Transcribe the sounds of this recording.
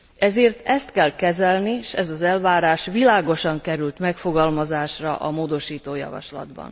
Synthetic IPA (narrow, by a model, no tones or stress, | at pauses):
ɛzeːrt̪ɛst̪kɛlkɛzɛlniʃɛzɒzɛlvaːɾaːʃʋilaːɡo̞ʃɒŋkɛɾylt̪mɛkfo̞ɡɒlmɒzaːʃrɒ̰ʔɒmoːd̪o̞ʃiːt̪oːjɒ̰vɒ̰ʃlɒ̰d̪bɒ̰n